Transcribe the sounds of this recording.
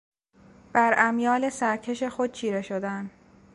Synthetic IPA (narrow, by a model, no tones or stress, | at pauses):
b̥æɾæmjɒːle̞sæɾcʰe̞ʃe̞xod̪̥̚t͡ʃʰiːɾe̞ʃo̞d̪æn